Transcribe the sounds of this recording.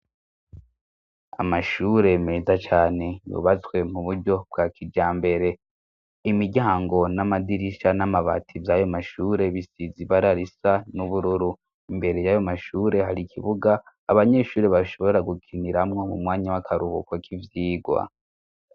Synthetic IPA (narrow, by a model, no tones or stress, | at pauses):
a̰maʃuːɾe̞meːzat͡ʃaːne̞jo̰βat͡swe̞muβuɾɟo̞b̚ɡakid͡ʒaːmbe̞ɾe̞ | imiɟaːŋɡo̞namadiɾiʃanamaβa̰tʰivajo̞maʃuːɾe̞βisiziβaɾaɾisanuβuɾuɾu | imbe̞ɾe̞jaːjomaʃuːɾe̞ɦaɾikʰiβuɡaː | βaɲe̞ʃuːɾeβaʃo̞βoeaɡukʰiniɾamŋo̞mṵmŋaːɲawakʰaɾuβukwakʰivjiːɡwa̰